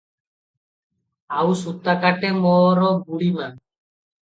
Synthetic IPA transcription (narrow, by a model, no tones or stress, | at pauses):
awsut̪ːakaʈemɔɾɔbuɽiman